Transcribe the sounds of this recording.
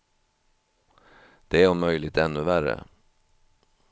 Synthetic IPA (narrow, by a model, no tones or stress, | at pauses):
d̪̥ɛæɾumœʏlɪt̪ɛnːɵvæɾə̰